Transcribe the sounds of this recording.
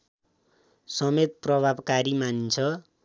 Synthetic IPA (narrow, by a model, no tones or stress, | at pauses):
sʌmet̪̚prʌbʱabkaɾimant͡sʰʌ